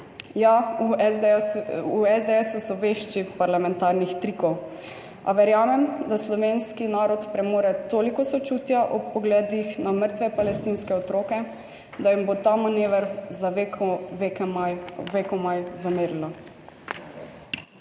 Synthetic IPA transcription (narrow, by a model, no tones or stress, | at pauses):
ja | uɛzd̪ɛɛsusɔʋeʃt͡ʃipaɾlamɛ̃nt̪aːɾnixt̪ɾikɔw | a̰ʋɛɾjaːmɛmd̪aslɔʋeːnskinaːɾɔt̪pɾɛmoːɾɛt̪oːlikɔsɔt͡ʃuːt̪jaʔɔpɔɡlɛːd̪ixnaməɾt̪ʋɛpalɛst̪iːnskɛɔt̪ɾoːkɛ | d̪ajimbot̪aːmaneːʋɛɾ | ʋe | ʋekɔmajzameːɾilɔ